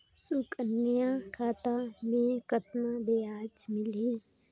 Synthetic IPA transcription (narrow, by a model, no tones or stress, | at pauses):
sukənːjãkʰaːt̪amẽkət̪nabeaːd͡ʒmɪliː